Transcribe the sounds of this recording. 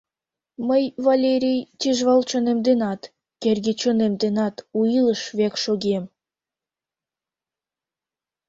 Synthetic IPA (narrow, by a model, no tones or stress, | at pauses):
məjvalʲeɾʲejt̪ʲiʒβɑlt͡ɕonemd̪enɑt̪ | kerɣet͡ɕonemd̪enɑt̪uiləʃβekʃoɣem